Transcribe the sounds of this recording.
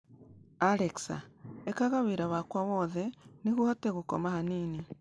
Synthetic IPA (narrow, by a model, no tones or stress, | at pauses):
aɾeksa̰ekaɣaβiɾaβakwaβoːðeniɣuhateɣuko̰mahaniːni